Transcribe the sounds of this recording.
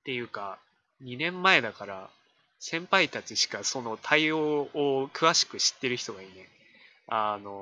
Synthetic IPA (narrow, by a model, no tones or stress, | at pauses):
t̪e̞jɯ̟ːka | ɲ̟inẽ̞mːae̞d̪akaɾa | sẽ̞mpait̪at͡ɕiɕi̥kaso̞no̞t̪ʰaioːokɯ̟βaɕi̥kɯ̟ɕi̥t̪ːe̞ɾɯ̟çi̥t̪oɡainẽ̞ | ano̞